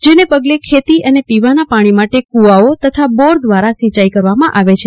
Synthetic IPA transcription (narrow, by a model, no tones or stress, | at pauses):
d͡ʒenepəɡlekʰet̪iʔənepiʋanapaɽ̃imaʈekuaot̪ət̪ʰabɔɾd̪ʋaɾasĩt͡ʃaikəɾʋamãʔaʋet͡ʃʰe